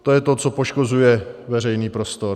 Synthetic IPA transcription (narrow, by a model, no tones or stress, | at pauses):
t̪ojɛt̪o̞t͡so̞poʃko̞zujɛvɛr̝ɛjniːpɾost̪oɾ